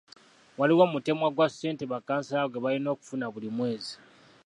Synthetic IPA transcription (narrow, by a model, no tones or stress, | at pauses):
waliwomute̞mwaɡwasse̞ːnteβakːaːnsaaɡweβalino̞ːku̥funaβulimwe̞ːzi̥